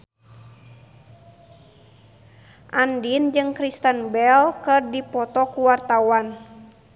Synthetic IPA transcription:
ʔandind͡ʒɨŋkɾist̪ənbɛlkɨrdipɔt̪ɔkuwart̪awan

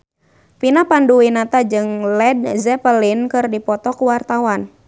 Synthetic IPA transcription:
pinapanduinat̪ad͡ʒɨŋlɛd̚zɛpəlinkɨrdipɔt̪ɔkuwart̪awan

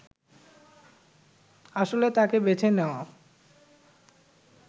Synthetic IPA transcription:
aʃolet̪akebet͡ɕʰenɛoa

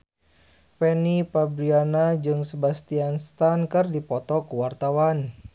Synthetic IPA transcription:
pɛnipabɾianad͡ʒɨŋsəbast̪ianst̪ankɨrdipɔt̪ɔkəwart̪awan

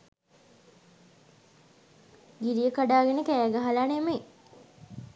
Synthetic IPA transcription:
ɡiɾijəkaɖaːɡenəkæːɡəɦalaneme

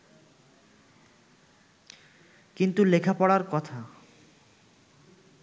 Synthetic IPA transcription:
kint̪ulekʰapɔɽaɾkɔt̪ʰa

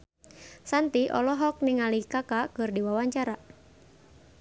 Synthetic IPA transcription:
sant̪iʔɔ̰lɔɦɔk̚niŋalikakakɨrdiwawaɲt͡ʃaɾa

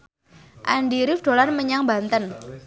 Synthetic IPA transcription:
ʔa̰nɖiɾɪfɖ̥o̤larməɲaŋbant̪ən

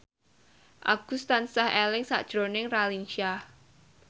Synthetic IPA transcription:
ʔa̰ɡ̥ṳst̪ansahɛlɪŋsa̰ʔd̥ʒ̥ɾonɪŋralinʃia

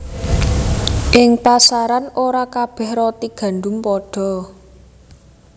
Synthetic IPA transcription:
ʔɪŋpasaɾanoɾakab̥ɛ̤hrɔt̪iɡ̥a̤ɳɖʊmpɔɖ̥ɔ̤

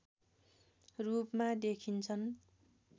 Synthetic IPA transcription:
rupmad̪ekʰint͡sʰʌn

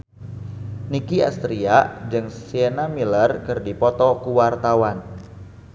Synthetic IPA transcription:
nikia̰st̪ɾiad͡ʒɨŋsienamilərkɨrdipɔt̪ɔkuwart̪awan

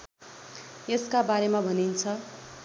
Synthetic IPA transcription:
jeskabaɾemabʱʌnint͡sʰʌ

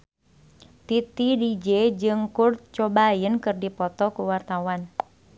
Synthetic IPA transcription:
t̪it̪idid͡ʒed͡ʒɨŋkurt̪̚t͡ʃɔbajənkɨrdipɔt̪ɔkuwart̪awan

